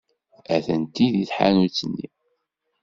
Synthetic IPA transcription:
æθənt̪iðiθħa̰nut͡sːənːḭ

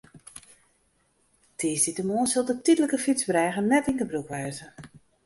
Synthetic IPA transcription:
tʰɪːsditəmoːnsolˠdətidələkəfit͡sbrɛːɣənːɛtiŋkəbrukʋɛːzə

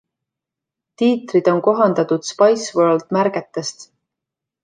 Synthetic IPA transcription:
t̪iːt̪rid̪̥o̞nko̞ɦɑnd̪̥ɑt̪ud̪̥spɑjsvøld̪̥mæɾɡ̥e̞t̪ːest̪

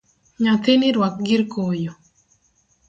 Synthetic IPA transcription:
ɲat̪eniɾwak̚ɡɪɾkojo

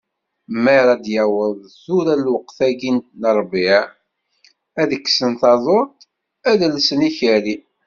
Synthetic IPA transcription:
mæɾˤæd̪jæwəðˤθuɾælwəqθæɡint̪nəɾˤbiʕ | æðəkːsənθɑðˤoɾt̪ | æðlsəniçəɾi

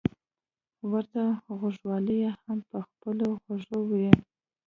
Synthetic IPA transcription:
wəɾt̪aɣoʐwɑləjehampəxpəloɣaʐowwi

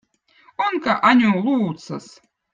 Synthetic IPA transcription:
onkaʔanʲulˠuːt̪sɐs

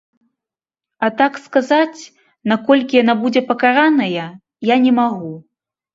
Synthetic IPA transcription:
at̪akskazat͡sʲ | nakɔlʲkʲijanabud͡zʲɛpɐkaɾanɐjɐ | janʲɛmaɣu

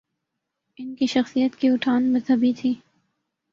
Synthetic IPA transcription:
ɪnkiʃɐxsijət̪kiʊʈʰaːnmɐzɦɐbit̪ʰiː

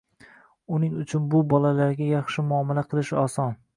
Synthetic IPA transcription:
ʊnɪŋʊt͡ʃʰʊnbʊbɒlalaɾɡʲajɑχʃɪmʊɒmalaqʰɨlˠɪʃɒsɒn

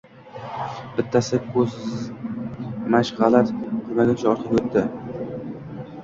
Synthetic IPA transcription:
bɪt̪ʰːasɪkʰɵz | maʃʁalat̪kʰʊmaɡʲant͡ʃʰaɒɾqʰɨpot̪ʰːɪ

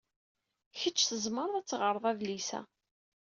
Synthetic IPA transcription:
çət͡ʃːθəzˤməɾˤðæt͡sːʁəɾˤəðˤævlisæ̰

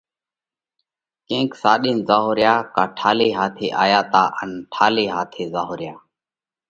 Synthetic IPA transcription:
kẽːksaːɗiːnzaːɦoːɾjaːkaːʈʰaːleːɦaːt̪ʰḛːʔaːjaːt̪aːʔənʈʰaːleːɦaːt̪ʰeːzaːɦoːɾjaː

